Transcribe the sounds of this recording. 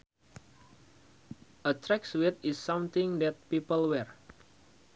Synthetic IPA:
ʔət̪ɾɛkswɪt̪̚ɪsːant̪ɪ̃ŋdɛt̪̚pipəlwɛr

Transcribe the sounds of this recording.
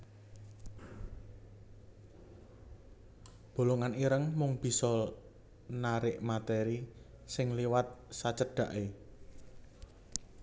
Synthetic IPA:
b̥o̤loŋaniɾəŋmʊŋb̥i̤sɔ | naɾɪʔmat̪ɛɾi | sɪŋliwat̪̚sat͡ʃəɖ̥a̤ʔe

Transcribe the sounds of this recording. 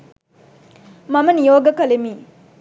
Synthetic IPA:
mɐmɐnijoɡɐkɐlemi

